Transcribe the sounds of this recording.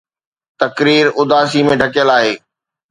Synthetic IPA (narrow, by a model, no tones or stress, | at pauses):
t̪ɐkɾiːɾʊd̪aːsimẽɖʱɐkjəlaːɦeː